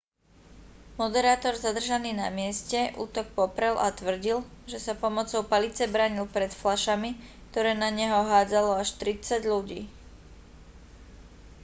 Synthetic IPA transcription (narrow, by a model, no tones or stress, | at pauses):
mɔd̪ɛɾaːt̪ɔɾzad̪r̩ʒaniːna̰mɪɛscɛʔṵːt̪ɔk̚pɔpɾɛlʔat̪ʋr̩ɟilʒɛsapɔmɔt͡sɔʊpalit͡sɛbɾaːɲilpɾɛt̪flaʃami | k̚t̪ɔɾɛːnaɲɛɦɔɦaːd͡zalɔaʃt̪ɾit͡saɟʎuɟiː